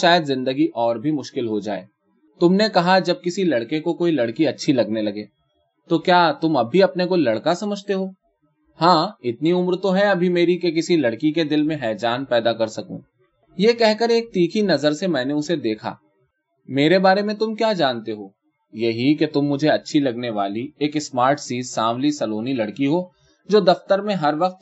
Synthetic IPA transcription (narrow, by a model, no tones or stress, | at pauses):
ʃaːjəd̪zɪ̃nd̪əɡiʔɔːɾbʱimʊʃkɪlɦod͡ʒa̰ːḛː | t̪ʊmnekɐɦad͡ʒɐb̚kɪsilɐɽkekokoːilɐɽkiɐtːʃʰilɐɡnelɐɡeː | t̪okjaːt̪ʊmɐbʱiɐpnekoilɐɽkasɐməd͡ʒʱt̪eɦoː | hãːɪt̪niʊmɾt̪oɦɛɐbʱimeːɾikekɪsilɐɽkiked̪ɪlmẽɦɛːd͡ʒaːnpɛːd̪akɐɾsɐkṵ̃ː | jekɛɦkəɾeːk̚t̪iːkʰinɐzəɾsemɛ̃ːneʊsed̪eːkʰa̰ː | meːɾebaːɾemẽt̪ʊmkjaːd͡ʒaːnt̪eɦoː | jɐɦiket̪ʊmːʊd͡ʒʱeɐtːʃʰilɐɡneʋaːlieːksmaːɾʈsiːzsaːmlisɐloːnilɐɽkiɦoː | d͡ʒoːd̪ɐft̪əɾmẽɦɐɾʋɐq̚t̪